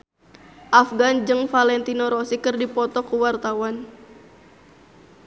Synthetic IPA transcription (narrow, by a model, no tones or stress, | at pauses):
ʔafɡand͡ʒɨŋfalɛnt̪inɔɾɔsikɨrdipɔt̪ɔkuwart̪awan